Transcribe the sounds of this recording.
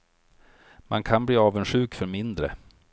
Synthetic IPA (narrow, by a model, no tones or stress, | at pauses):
mʔa̰nkʰanbliːɑːvənʂɧʉ̟ːkfœɾmɪnd̪ɾə̰